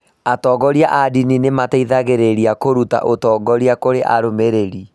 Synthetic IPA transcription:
atɔːɡɔɾiaʔadininemataiðaɣeɾeɾiakoɾuta̰ʔotɔːɡɔɾiakoɾeʔa̰ɾomeɾeɾi

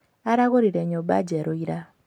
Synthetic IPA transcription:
aɾaɣoɾiɾeɲoba̰ɟeɾoiɾa

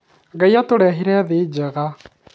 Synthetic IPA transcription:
ɡajatoɾɛɦiɾɛðed͡ʒeɣa

